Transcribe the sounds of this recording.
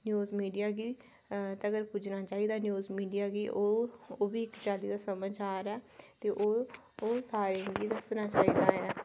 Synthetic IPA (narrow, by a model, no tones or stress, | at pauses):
njuːzmiːɖijaːɡiː | t̪aəɡəɾpʊːd͡ʒnaːt͡ʃaːiːd̪aːnjuːzmiːɖijaːɡiːʔooːbiːɪkt͡ʃaːliːd̪aːsəməd͡ʒaːɾɛːt̪eːʔoː | saːɾeɡiːd̪əsnaːt͡ʃaːiːd̪aːɦɛ